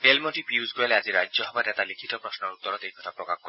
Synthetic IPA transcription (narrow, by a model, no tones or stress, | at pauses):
elmɔʈipuusɡoalead͡ʒiɾad͡ʒɔɦɔbaɾɛt̪alikʰit̪ɔpɾɔsnɔɾut̪ːɔɾɔt̪eikɔt̪ʰapɾɔkak̚kɔ